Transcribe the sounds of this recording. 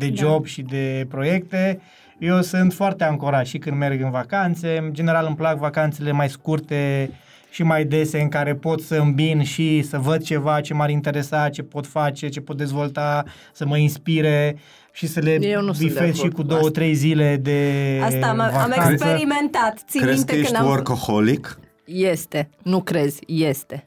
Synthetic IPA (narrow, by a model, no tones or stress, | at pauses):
d̪e̞d͡ʒo̞bʃid̪e̞pɾo̞je̞kt̪e̞ | je̞wsɨnt̪foart̪eaŋkoɾat̪ʃikɨnd̪me̞rɡɨnvakant̪se̞d͡ʒe̞ne̞ɾalɨmplakvakant̪sele̞majskurt̪e | ʃimajd̪e̞se̞ɨŋkaɾe̞po̞t̪səɨmbinʃisəvəd̪̚t͡ʃe̞vat͡ʃe̞maɾint̪e̞ɾe̞sat̪̚t͡ʃe̞po̞t̪fat͡ʃe̞t͡ʃe̞po̞t̪̚d̪e̞zvo̞lt̪a | səməinspiɾe | ʃisəle̞jenubifesʃikud̪o̞wət̪ɾe̞jzile̞d̪e̞aavakant̪səiment̪at̪siɾek̪jeʃorkoholik | jest̪enukɾez̥ʲjest̪e